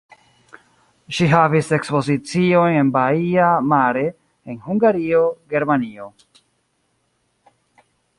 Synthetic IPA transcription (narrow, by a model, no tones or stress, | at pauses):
ʃiɦavise̞kspo̞zit͡sio̞jne̞nbaiamaɾe̞ | enhuŋɡaɾio̞ɡe̞ɾmanio̞